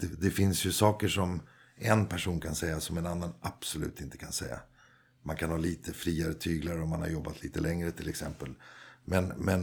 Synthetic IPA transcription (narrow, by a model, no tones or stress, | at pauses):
d̪̥ɛd̪ɛfɪnsjɵsɑːkəʂɔm | ɛnpʰæʂuːnkʰansɛjːasɔmɛnanːanʔapsɔlʉ̟̰ːt̪ɪnt̪ə̥kʰansɛ̰jːa̰ | mankʰanhɑːliːt̪ʰəfɾiːaɾət̪ʰyːɡlaɾəɔmanha̰ɾjɔbːat̪ʰliːt̪əlɛŋɾət̪ʰɪlɛksɛmpəlmɛnmɛn